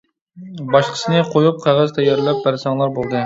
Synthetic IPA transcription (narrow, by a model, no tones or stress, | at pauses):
bɑʃqʰə̥sɨnɨqʰojup̚qʰæʁæzt̪ʰɛjɑɾlˠɛp̚bæɾsɑŋlˠɑɾbolˠd̪ɨ